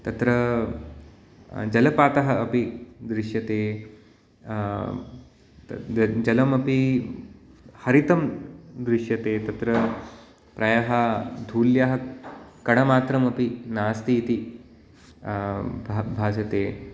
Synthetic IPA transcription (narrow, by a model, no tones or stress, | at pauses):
t̪ɐt̪ɾɐ | d͡ʒɐlɐpaːt̪ɐɦɐɐpid̪ɾɪʂjɐt̪eː | d͡ʒɐlɐmɐpi | hɐɾit̪ɐmd̪ɾɪʂjɐt̪eːt̪ɐt̪ɾɐ | pɾɐjɐɦɐd̪ʱuːljaɦɐkɐɽ̃ɐmaːt̪ɾɐmɐpinaːst̪iːt̪i | bbʱaːsɐt̪eː